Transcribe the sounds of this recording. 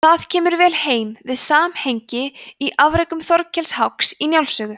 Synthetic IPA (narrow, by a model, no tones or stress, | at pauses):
θaðcʰɛːmʏɾvɛːlheːjmvɪðsaːmhejɲcɪiʔavɾejkʏmθɔɾcʰɛlshawksinjawlsœːɣʏ